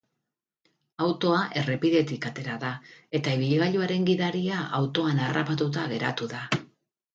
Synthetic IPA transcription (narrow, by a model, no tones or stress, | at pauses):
awt̪o̞aʔe̞re̞piðe̞t̪ikat̪e̞ɾaðae̞t̪aiβiʎɣaʎuaɾe̞ŋɡiðaɾiaʔawt̪o̞anarapat̪ut̪̬aɣ̞e̞ɾa̰t̪uða